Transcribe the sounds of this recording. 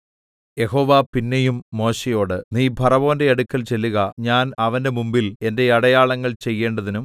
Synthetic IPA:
je̞hoːʋapinːejumːo̞ːɕejo̞ːɽɨniːbʱɐrɐʋo̞ːnde̞ɐɽukːɐlt͡ɕe̞lːuɣɐɲaːnɐʋɐnde̞mumbile̞nde̞ɐɽɐjaːɭɐŋːɐɭt͡ɕe̞jːe̞ːɳɖɐðinum

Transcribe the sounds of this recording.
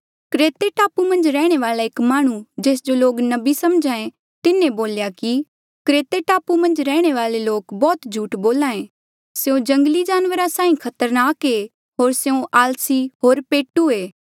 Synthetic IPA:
kɾeːt̪eʈaːpumɐ̃nd͡ʒɾɛːɽ̃eʋaːlaekmaːɽ̃ũd͡ʒeːs̬d͡ʒoloːknɐbisɐmd͡ʒãːẽ | t̪ɪnẽboːljaki | kɾeːt̪eʈaːpumɐ̃nd͡ʒɾɛːɽ̃eʋaːleloːkbɔːt̪d͡ʒʱuːʈboːlãːẽː | seõd͡ʒɐ̃ŋɡlid͡ʒaːnʋəɾasaːĩkʰɐt̪əɾnaːke | ɦoːɾseõʔaːlsiɦoːɾpeːʈueː

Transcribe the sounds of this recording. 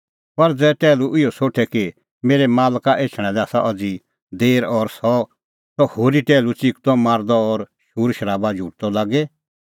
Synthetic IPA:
pɐɾd͡zɛːʈɛːluʔɪjɔsoːʈʰɛki | meːɾɛmaːlkaʔeːt͡ʃʰɽ̃ɛ̃lɛaːsaʔɔd͡zi | d̪eːɾɔːɾsɔ | t̪ɔhoːɾiʈɛːlut͡sikt̪ɔmaːɾd̪ɔɔːɾ | ʃuːɾʃəɾaːbad͡ʒʱuːʈt̪ɔlaːɡɛ

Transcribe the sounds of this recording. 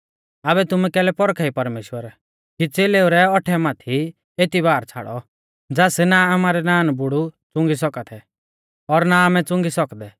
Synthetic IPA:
aːβɛt̪ʊmɛkɛːlɛpɔɾkʰaipɐɾmeːʃwəɾ | kit͡seːleːʊɾɛɔʈʰɛmaːt̪ʰi | et̪iβaːɾt͡sʰa̰ːɽɔ̰ | d͡zaːsnaamaːɾɛnaːnbʊɽut͡sʊ̃ŋɡis̬ɔkat̪ʰɛ | ɔɾnaːmɛt͡sʊ̃ŋɡisɔkd̪ɛ

